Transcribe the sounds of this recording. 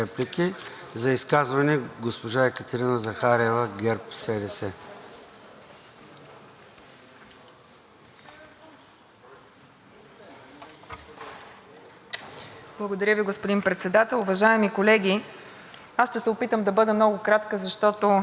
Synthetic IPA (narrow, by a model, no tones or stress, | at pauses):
ɛplikʲi | zɐiskazvɐnɛɡospoʒaɛkət̪ɛɾinəzɐxaɾɛvəɡɛɾpsɛɾɛsɛ | b̥lˠəɡod̪ɐɾʲjəviɡospʊd̪inpɾɛt̪sɛd̪at̪ɛlˠʊvɐʒaɛmikolɛɡ̟ʲi | asʃt̪ɛsɛopit̪əmd̪ɐbɤd̪ɛmnɔɡʊkɾat̪kəzɐʃt̪ɔt̪o